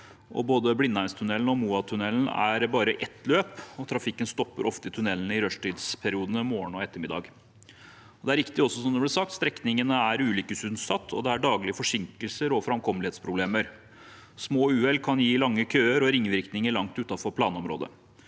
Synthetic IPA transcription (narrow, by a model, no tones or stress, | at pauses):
ʔɔ̰boːd̪əblɪnːæɪnst̪ʰʉnɛln̩ɔmuːɑt̪ʰʉnɛln̩æ̰ɾbɑːɾəʔɛt̪ʰløːpɔt̪ʰɾɑfɪkːənst̪ɔpːə̰ɾʔɔft̪ət̪ʰʉnɛlnəɪɾœʂʈiːd̪spʰæɾɪuːd̪ənəmoːəɳɔɛt̪ːəmɪd̪ɑ̰ːɡ | ɔd̪ɛæɾɪkt̪ɪɔsːɔsɔmd̪əblɪsɑkt̪st̪ɾɛknɪŋənəæɾʉːlʏkəsʉnsɑt̪ʰːɔ̰d̪ɛæɖɑːɡlɪəfɔʂɪŋkəlsəɾɔfɾɑmkʰɔmlɪheːt̪spʰɾʊbleːməɾ | smoːʉːɛlkʰɑnjiːlɑŋːəkʰøːəɾɔɾɪŋːʋɪɾknɪŋəɭɑŋt̪ʉt̪ɑfɔɾpʰlɑːnɔmɾo̰ːd̪ə̰